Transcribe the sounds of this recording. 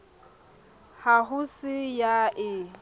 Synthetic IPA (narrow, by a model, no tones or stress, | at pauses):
haɦʊsɪjaʔɪ